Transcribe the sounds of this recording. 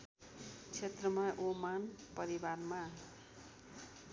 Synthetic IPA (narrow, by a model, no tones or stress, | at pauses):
t͡sʰet̪rʌmaʔomanpʌɾibarma